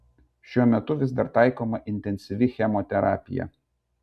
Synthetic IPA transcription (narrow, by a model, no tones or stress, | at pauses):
ʃʲuɔmʲɛt̪ʊʋʲɪsd̪ɐɾt̪ɑˑɪkoːmɐʔɪnʲt̪ʲɛnʲsʲɪʋʲɪxʲɛmoːt̪ʲɛɾɑ̰ːpʲɪjɛ̰